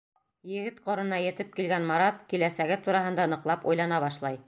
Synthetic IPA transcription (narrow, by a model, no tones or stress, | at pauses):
jɘ̆ɡɘt̪qoɾɤ̆nɑjɘ̆t̪ɘp̚kilɡænmɑɾɑt̪kilæsæɡɘt̪uɾɑɦɤ̆nd̪ɑnɤ̆qlˠɑpṵjlˠɑnɑβɑʃlˠɑj